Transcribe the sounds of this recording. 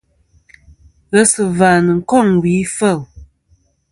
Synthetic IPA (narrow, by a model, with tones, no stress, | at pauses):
ɣə˦sə˨vaː˨nə˨ŋ̩˨kɔ˦˨ŋwi˨˦fə˦˨l